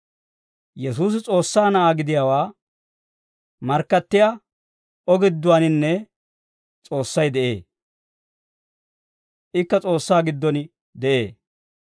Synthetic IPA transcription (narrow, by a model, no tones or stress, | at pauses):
jɛsuːs̬ɪt͡sʼo̞ːsːaːnɐʔaːɡɪd̪ɪjaːwaː | mɐɾkːɐt̪ːɪja | ʔɔɡɪd̪ːʊwanɪnːɛ | t͡sʼo̞ːsːɐjd̪ɛʔe̞̰ː | ʔɪkːɐt͡sʼo̞ːsːaːɡɪd̪ːɔnɪ | d̪ɛʔḛː